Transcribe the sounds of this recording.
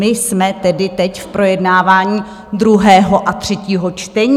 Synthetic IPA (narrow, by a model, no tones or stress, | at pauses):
ɪsmɛt̪ɛdɪt̪ɛcfpɾo̞jɛdnaːvaːɲiː | d̪ɾuɦɛːɦoʔat̪r̝̥ɛciːɦo̞t͡ʃt̪ɛɲː